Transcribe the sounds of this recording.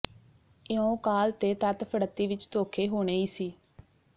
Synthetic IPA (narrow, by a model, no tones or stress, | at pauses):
ɪõːkaːlt̪eːt̪ət̪pʰəɽət̪ːiːʋɪt͡ʃt̪oːkʰeːɦoːɽ̃eːiːsiː